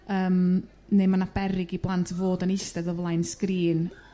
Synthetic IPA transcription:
əːm | nemanab̥ɛɾɪɡiblˠantʰvoːdənɪstɛðɔvlˠaɨnskriːn

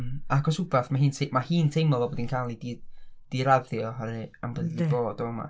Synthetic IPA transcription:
aakʰɔsʊbaθmaɦiːntʰemahiːntʰejmɔvɔboːdinkʰalˠidid̥iɾaðjɔɦaɾɨambəðndiboːdɔəma̰

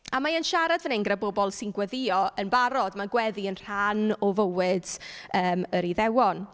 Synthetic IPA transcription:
amaənʃaɾadvənɛŋɡrabɔbɔlˠsɪnɡwɛðɪɔənbaɾɔdmaɡwɛðiənr̥anɔvəwɪd̥əːməɾiðɛwɔn

